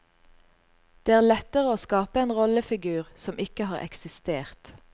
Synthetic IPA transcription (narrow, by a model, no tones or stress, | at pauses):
d̪̥eːæːʁlɛt̪əʁəoːskɑːpəeːnʁɔləfɪɡʉːʁsɔmʔɪkəhɑːʁʔɛ̰ksɪst̪eːʁt̪